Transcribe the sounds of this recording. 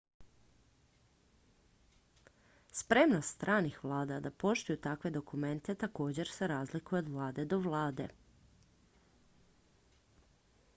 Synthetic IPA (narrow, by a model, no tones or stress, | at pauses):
spɾe̞mnost̪t̪ɾʔaːnixʋlˠaːd̪ad̪apo̞ʃt̪ujut̪akʋe̞d̪o̞kume̞nt̪e̞t̪ako̞ːd͡ʑe̞ɾseɾaːzlikujeod̪ʋlˠaːd̪e̞d̪o̞ʋlˠaːd̪e̞̰